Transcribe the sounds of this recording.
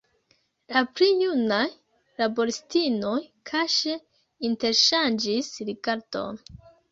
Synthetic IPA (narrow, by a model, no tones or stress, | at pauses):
lapɾijunaj | labo̞ɾistino̞jkʰaʃe | inte̞ɾʃand͡ʒisɾiɡaɾdo̞̰n